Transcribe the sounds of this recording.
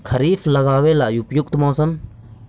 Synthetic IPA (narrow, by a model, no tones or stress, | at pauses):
kʰɐɾiːfʰlɐɣaːʋelaːjupjʊk̚t̪mãːsən